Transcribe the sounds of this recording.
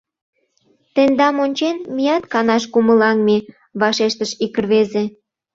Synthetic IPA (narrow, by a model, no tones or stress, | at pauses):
t̪end̪ɑmonʲt͡ɕenmijɑt̪kɑnɑʃkuməlɑnme | βɑʃeʃt̪əʃikərβeze